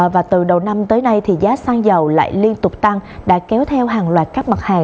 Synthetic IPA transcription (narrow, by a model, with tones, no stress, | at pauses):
vaː˨˩t̪ɨ˨˩ɗə˨˩wna˧mt̪əː˨˦jna˧jt̪ʰi˨˩zaː˨˦saː˧ŋzə˨˩wla̰ː˧˨jli˧ənt̪ʊ˨˩k͡p̚t̪a˧ŋɗa̰ː˧˥kɛ˨˦wt̪ʰɛ˧wɦaː˨˩ŋlwaː˨˩t̚kaː˦˥k̚mə˨˩t̚haː˨˩ŋ